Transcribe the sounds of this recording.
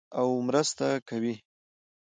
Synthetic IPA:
awmɾəst̪akawi

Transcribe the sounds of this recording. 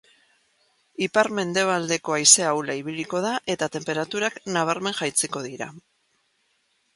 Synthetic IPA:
ipaɾme̞nd̪e̞β̞ald̪e̞ko̞ajse̞awlaiβ̞iliko̞ð̞aʔe̞t̪at̪e̞mpe̞ɾat̪uɾaknaβ̞aɾme̞ŋʝajt͡seko̞ðiɾa̰

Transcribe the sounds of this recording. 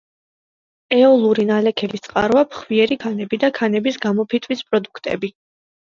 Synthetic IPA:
ɛɔlˠuɾinalɛkʰɛlist̪sʼqʼa̰ɾvapʰχviɛɾikʰanɛbid̪akʰanɛbisɡamɔpʰit̪ʰʼwispʼɾɔd̪ukʰt̪ʼɛ̰bi

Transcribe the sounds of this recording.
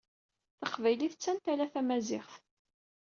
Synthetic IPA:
θəqvæjliθət͡sːænt̪ælæθæmæzɪχθ

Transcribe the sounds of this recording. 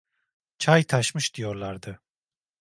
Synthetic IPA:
t͡ʃʰajt̪ʰaʃmɯʃd̪̥ijo̞ɾlˠaɾd̪ɯ

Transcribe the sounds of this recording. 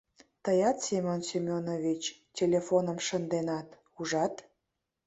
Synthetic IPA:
t̪əjɑt̪sʲemʲonsʲimʲonovit͡ɕtʲelʲefonəmʃənd̪enɑt̪ | uʒɑt̪

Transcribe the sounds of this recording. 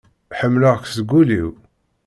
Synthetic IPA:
ħəmːləʁksəɡuliw

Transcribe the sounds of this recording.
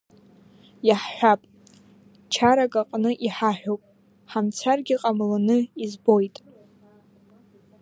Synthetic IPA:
jaħħʷᶣapʼ | t͡ʃʰaɾakʼaqʼnɨʔiħaħᶣowpʼ | ħamt͡sʰarɡʲiqʼamlanɨizbo̞jtʼ

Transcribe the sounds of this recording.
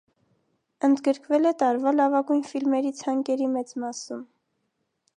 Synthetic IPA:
ənd̪ɡəɾkvɛlɛt̪ɑɾvɑlɑvɑɡujnfilmɛɾit͡sʰhɑŋkɛɾimɛt͡smɑsum

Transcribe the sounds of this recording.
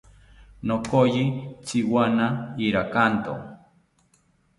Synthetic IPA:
nokojit͡siwanaiɾakant̪o̰

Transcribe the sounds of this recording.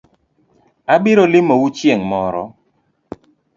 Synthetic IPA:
abɪɾɔlɪmowut͡ʃjeŋmɔɾɔ̰

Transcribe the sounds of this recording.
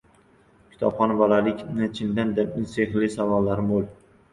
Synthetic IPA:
kʲʰɪ̥t̪ʰɒpχɒnbɒlalɪkʲnɪt͡ʃʰɪnd̪and̪ap̚nɪseχlɪsavɒlːaɾɪmolˠ

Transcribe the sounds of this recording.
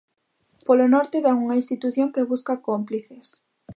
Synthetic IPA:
polonɔɾt̪ɪβɛŋuŋainst̪it̪uθjoŋkeβuskakompliθes

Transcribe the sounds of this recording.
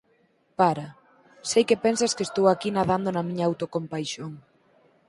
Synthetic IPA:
paɾɐ | sejkepɛnsɐskest̪owakinaðand̪onɐmĩɲaawt̪okompajʃoŋ

